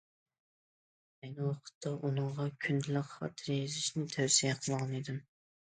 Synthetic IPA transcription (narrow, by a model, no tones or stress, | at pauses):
ɛnɪwɑqʰə̥t̪ʰːɑʔunɨɴʁɑkʲʰynd̪ɪlɪqχɑ̰t̪ʰɨɾjezɪʃnɪt̪ʰæwsijɛqʰəlˠʁɑnid̪ɪm